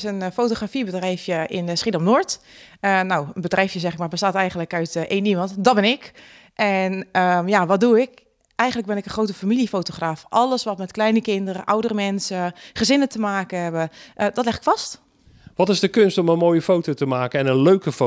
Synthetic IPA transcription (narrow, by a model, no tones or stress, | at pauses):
sənfoːtoxrafibədrɛjfjəɪnsχidɔmnoɹtənawənbədrɛjfjəzɛχɪkmaɹbəstaːtɛjɣən̩ləkœɥtʔeːnimɑntdɔbɪnɪk | ʔɛnəmjaʋɔt̚duɪk | ɛjɣən̩ləɡ̚bɪnɪkəχrowtəfamilifowtoxraːfʔɔləsʋɔtmɛtklɛjnəkɪndəɾəʔawdəɾəmɛnsəχəzɪnətəmaːkəɦɛbəʔədɔtlɛxɪ̥kfɑst | ʋɔtɪzdəkønstɔmənmoːjəfowtotəmaːkəɛnənløɥkəfo